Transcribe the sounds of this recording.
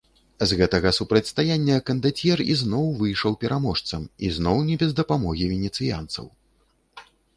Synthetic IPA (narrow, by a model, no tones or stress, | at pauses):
zɣɛt̪ɐɣɐsupɾɐt͡sʲst̪ajanʲːɐkɐnd̪at͡sʲjɛrḭznɔwvɨjʂɐwpʲɛɾʔamɔʂt̪sɐmḭznɔwnʲɛbʲɛzd̪ɐpamɔɣʲivʲɛnʲɛt̪sɨja̰nt̪sɐ̰w